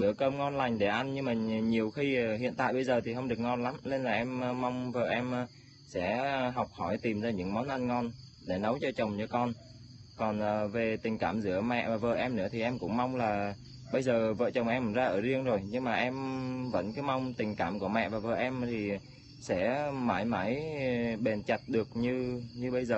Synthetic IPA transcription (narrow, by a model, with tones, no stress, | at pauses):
ɓɨ˧˩əkəː˧mŋɔ˧nla˨˩jŋ̟ɗe˧˩ʔa˧nɲɨ˧ŋmaː˨˩ɲi˨˩əwxi˧˨ɦḭ˧˨ənt̪a̰ː˧˨jɓə˧jzəː˨˩t̪ʰi˨˩ɦə˧wŋ͡mɗɨ˨˩ək̚ŋɔ˧nla˨˦mle˧nlaː˨˩ʔɛ˧mː˧a˧wŋ͡mvə̰ː˧˨˩ʔɛ˧mː˨ | sɛ̰˧˥ɦa˨˩wk͡p̚hɔ˧˩jt̪i˨˩mzaː˧ɲɨ̰˧˥ŋmɔ˨˦nʔa˧nŋɔ˧n | ɗe˧˩nə˨˦wt͡ɕɔ˧t͡ɕə˨˩wŋ͡mt͡ɕɔ˧kɔ˧n | kɔ˨˩nʔəː˨˩ve˨˩t̪ï˨˩ŋ̟kaː˧˩mzɨ̰˧˩əmɛ̰˧˨vaː˨˩və̰ː˧˨ʔɛ˧mnɨ̰˧˥ət̪ʰi˨˩ʔɛ˧mkʊ̰˧˥ŋ͡mma˧wŋ͡mlaː˨˩ | ɓə˧jzəː˨˩və̰ː˧˨t͡ɕə˨˩wŋ͡mʔɛ˧mzaː˧ʔəː˧˩zi˧əŋzo˨˩jɲɨ˧ŋmaː˨˩ʔɛ˧mvə̰˧˥nkɨ˨˦ma˧wŋ͡mt̪ï˨˩ŋ̟kaː˧˩mku˧˩əmɛ̰˧˨vaː˨˩və̰ː˧˨ʔɛ˧mt̪ʰi˨˩ | sɛ̰˧˥maː˧˩jma˧˥jɓe˨˩nt͡ɕa˨˩t̚ɗɨ˨˩ək̚ɲɨ˧ɲɨ˧ɓə˧jzəː˨˩